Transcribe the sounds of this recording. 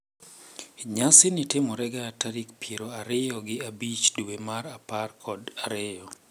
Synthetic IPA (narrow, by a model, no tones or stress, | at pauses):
ɲasɪnɪtɪmɔɾɛɡaːtaɾikpjeɾoaɾɪjɔɡɪabit͡ʃduemaɾaparkʰɔdaɾɪjɔ